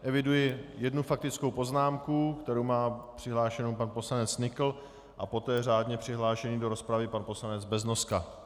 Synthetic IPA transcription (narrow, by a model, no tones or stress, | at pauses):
ʔɛvɪdujɪjɛdnufak̚t̪ɪt͡sko̞wpo̞znaːmkukt̪ɛɾowmaːpr̝̥ɪɦlaːʃɛnowpanpo̞slanɛt͡snɪkl̩ | ʔapo̞t̪ɛːraːdɲɛpr̥ɪɦlaːʃɛɲiːdo̞ɾo̞spɾavɪpanpo̞slanɛd͡zbɛzno̞ska